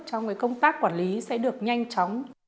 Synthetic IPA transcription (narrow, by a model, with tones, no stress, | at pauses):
t͡ɕɔ˧wŋ͡mkaː˨˦jkə˧wŋ͡mt̪aː˦˥kːwaː˧˩nli˨˦sɛ̰˧˥ɗɨ˨˩ək̚ɲa˧jŋ̟t͡ɕɔ˨˦wŋ͡m